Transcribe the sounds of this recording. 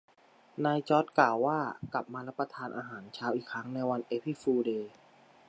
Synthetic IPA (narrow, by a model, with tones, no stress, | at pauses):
naː˧jt͡ɕɔ˦˥t̪̚klaː˨˩wːaː˥˩kla˨˩p̚maː˧ɾa˦˥pːɾa˧t̪ʰaː˧nʔaː˧ɦaː˩˦nt͡ɕʰaː˦˥wʔiː˨˩kʰɾa˦˥ŋna˧jwa˧nʔeː˦˥pʰi˦˥˩fuː˧deː˧